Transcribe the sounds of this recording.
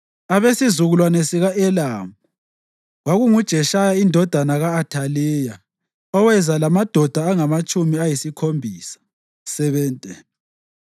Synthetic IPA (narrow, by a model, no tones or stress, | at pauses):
aβesizuɣulwanɛsiɣaʔɛlaːmu | waɣuŋud̥ʒ̥ʱɛʃajaindʱɔd̥ʱanaɣaːtʰaliːja | ɔwɛzalamad̥ʱɔd̥ʱaːŋamat͡ʃʼumiajisikʰombʱiːsḁ | sɛβɛːntʼɛ